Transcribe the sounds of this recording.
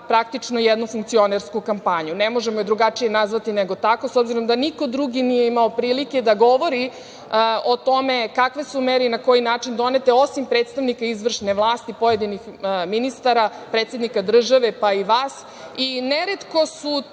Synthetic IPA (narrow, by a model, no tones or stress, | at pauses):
pɾak̚t̪it͡ʂnojɛd̪nufuŋk̚t̪sio̞neɾskukampaɲunemo̞ʒemojed̪ɾuɡat͡ʂijenazʋat̪ineɡo̞t̪akosobziɾo̞md̪aniko̞d̪ɾuɡinijeimaopɾiːlike̞d̪aɡo̞ʋo̞ɾi | ot̪o̞mekakʋesumeɾinako̞jinaːt͡ʂind̪o̞net̪e̞o̞simpɾeːt̪st̪aʋnikaizʋr̩ʃneʋlˠaːst̪ipo̞jed̪inixminist̪aɾa | pɾet̪se̞d̪nikad̪r̩ʒaʋe̞paiʋaːs | ineɾet̪ko̞su